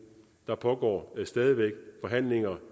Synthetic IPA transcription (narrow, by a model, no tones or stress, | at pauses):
d̥ɑ̈pʰɒ̽ɡ̥ɒ̰ːsd̥ɛːðˠiʋeɡ̥fɒ̽ɦæn̰le̝ŋɐ